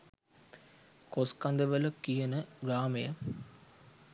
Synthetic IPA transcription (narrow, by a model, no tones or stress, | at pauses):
koskand̪əʋələkijənəɡɾaːmejə